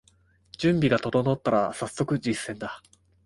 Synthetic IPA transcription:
d͡ʑɨ̃mbʲiɡat̪o̞d̪o̞no̞t̪ːaɾasasːo̞kɯ̟d͡ʑisːẽ̞nd̪a

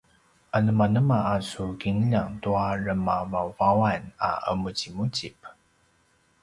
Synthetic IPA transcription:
anəmanəmaʔasuɡiŋlaŋtuaɻəmavawvawana̰ʔə̰mut͡simut͡ɕip

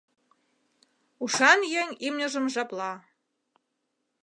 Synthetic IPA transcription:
uʃɑnjeŋimnʲə̆ʒə̆mʒɑplɑ

